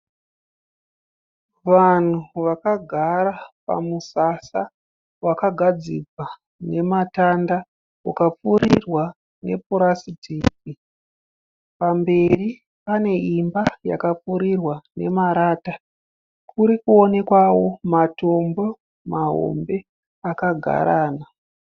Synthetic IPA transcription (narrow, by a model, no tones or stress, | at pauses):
ʋan̤uʋakaɡʱaɾapa̰musasa | wakaɡʱad͡ziɡa | ne̞matanda | wakap͡fuɾirwa | ne̞̰puɾasitiːki | pambe̞ri | pane̞imbaja̰kap͡fuɾirwane̞̰maɾaːta | kʰuɾikuo̞ne̞kwawo̞mato̞mbo̞ | maɦo̰mbe̞ | akaɡʱa̰ɾaːna